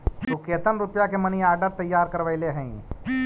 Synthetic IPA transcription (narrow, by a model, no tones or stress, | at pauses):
t̪ukeːt̪ənɾʊpjakemɐniaːɾɖəɾt̪ɐjːaːɾkɐɾʋəɪleɦɛ̃ĩ